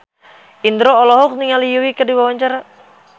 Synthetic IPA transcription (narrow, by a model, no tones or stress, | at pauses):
ind̪ɾoːlɔɦɔk̚niŋalijuwikədiwawaɲt͡ʃaɾa